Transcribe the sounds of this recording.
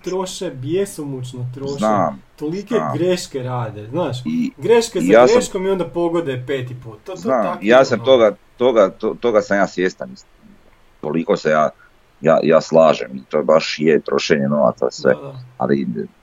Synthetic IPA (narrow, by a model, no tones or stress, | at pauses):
t̪ɾoʃebjesomut͡ʃnot̪ɾozʃnaːmt̪olikeaːɡɾeʃkeɾaːd̪eznaːʃiɡɾeʃkejaːsɾeaʃkomio̞nd̪apoɡod̪epeːt̪ipuːt̪znaːmijaːsamt̪oɡat̪oɡat̪ot̪o̞ɡasamjaːsʋjest̪anisi | t̪oliko̞sejaː | ja̰ːjaːslˠaːʒemit̪obaʃjet̪ɾo̞ʃeɲeno̞ʋa̰t̪sa̰sʋḛa̰lḭ